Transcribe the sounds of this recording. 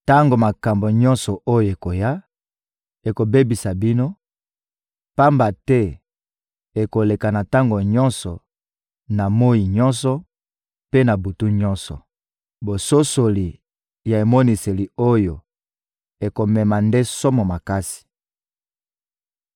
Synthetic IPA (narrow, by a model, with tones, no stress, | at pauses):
ta˦ŋɡo˨ma˨ka˨mbo˨ɲɔ̃˦nsɔ˨ʔo˦jo˨e˨ko˨ja˦ | e˨ko˨be˦bi˨sa˨bi˦no˦ | pa˦mba˨tɛ˦ | e˨ko˨le˨ka˨na˨ta˦ŋɡo˨ɲɔ˦nsɔ˨ | na˨mo˦ji˨ɲɔ˦nsɔ˨ | pe˦na˨bu˨tu˦ɲɔ˦nsɔ̰˨ | bo˨so˦so˨li˨ | ja˨e˨mo˦ni˨se˨li˨o˦jo˨ | e˨ko˨mɛ˨ma˨nde˦so˦mɔ˨ma˨ka˦si̥˨